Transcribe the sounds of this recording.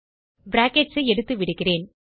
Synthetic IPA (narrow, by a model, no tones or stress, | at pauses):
bɾaːkeʈsɯɛɽɯt̪ːɯʋɪɽɯɣɪreːn